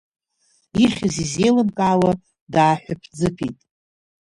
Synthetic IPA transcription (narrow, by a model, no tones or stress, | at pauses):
iχʲɪzizejlɨnkʼaːwa | daːħʷᶣapʰd͡zɨpʰitʼ